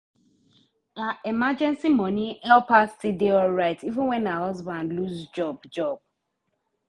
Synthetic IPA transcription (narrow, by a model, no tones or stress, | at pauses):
aʔemad͡ʒɛ̃nsimɔ̃niɛlpastideɔɹaɪtivə̃nwɛ̃nahɔzbãnluzd͡ʒɔbd͡ʒɔb̚